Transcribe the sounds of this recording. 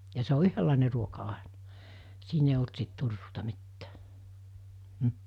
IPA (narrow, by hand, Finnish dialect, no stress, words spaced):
jɑ se o yhølːɑˑene ruokɑ ɑenɑ̥ siːn eij olt sit turːuːtɑ mitːæ̥ː m̩